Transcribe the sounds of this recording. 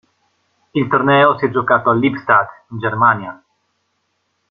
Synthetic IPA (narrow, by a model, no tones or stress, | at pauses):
ilt̪ornɛosiɛd͡ʒokat̪oalːipst̪ad̪ind͡ʒeɾmanja